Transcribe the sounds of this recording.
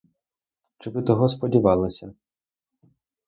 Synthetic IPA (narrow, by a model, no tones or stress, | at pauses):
t͡ʃɪʋɪt̪ɔɦɔspɔdʲiʋɑlˠɪsʲɐ